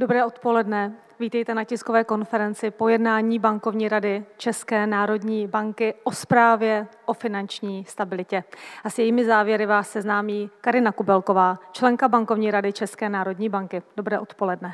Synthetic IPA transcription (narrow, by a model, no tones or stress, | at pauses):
dobɾɛːʔo̞t̪po̞lɛdnɛ | viːt̪ɛjt̪ɛnacɪsko̞vɛːko̞nfɛɾɛnt͡sɪpo̞jɛdnaːɲiːbaŋko̞vɲiːɾadɪt͡ʃɛskɛːnaːɾo̞dɲiːbaŋkɪʔo̞spɾaːvjɛʔo̞fɪnant͡ʃɲiːst̪abɪlɪcɛʔasjɛjiːmɪzaːvjɛɾɪvaːsːɛznaːmiːkaɾɪnakubɛlko̞vaːt͡ʃlɛŋkabaŋko̞vɲiːɾadɪt͡ʃɛskɛːnaːɾo̞dɲiːbaŋkɪd̥o̞bɾɛːʔo̞t̪po̞lɛdnɛ